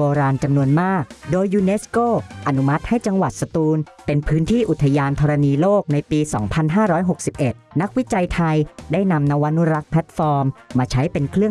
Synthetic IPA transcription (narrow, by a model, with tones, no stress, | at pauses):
oː˧ɾaː˧nt͡ɕa˧mnu˧ənmaː˥˩k̚doː˧jːuː˧ne˦˥skoː˥˩ʔa˧nu˦˥ma˦˥t̪̚ha˥˩jt͡ɕa˧ŋwa˨˩t̪̚sa˧t̪uː˧n | pe˧npʰɯː˦˥nt̪ʰiː˥˩ʔu˨˩t̪ʰːa˧jaː˧nt̪ʰɔː˧ɾa˧niː˧loː˥˩k̚na˧jpiː˧sɔ̰ː˩˦ŋpʰa˧nɦaː˥˩ɾɔː˦˥jɦo˨˩k̚si˨˩p̚ʔe˨˩t̪̚na˦˥k̚wi˦˥t͡ɕa˧jt̪ʰa˧jdaː˥˩jna˧mna˦˥wa˦˥nːu˦˥ɾa˦˥k̚pʰlɛ˦˥t̪̚fɔː˧mːaː˧t͡ɕʰa˦˥jpe˧nkʰɾɯ˥˩ə